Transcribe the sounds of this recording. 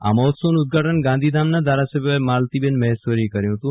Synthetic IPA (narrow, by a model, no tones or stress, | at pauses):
a̰mɔɦt̪sonuud̪̚ɡʱaʈʰənɡãnd̪ʱid̪ʱamnad̪ʱaɾasəbʱjoemalt̪ibenmɛɦsʋəɾikəɾjũɦt̪ũ